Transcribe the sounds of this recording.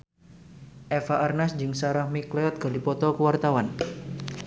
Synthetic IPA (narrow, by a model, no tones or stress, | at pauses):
ʔɛfaʔarnasd͡ʒɨŋsaɾahmikleɔt̪̚ɡ̥alipɔt̪ɔkəwart̪awan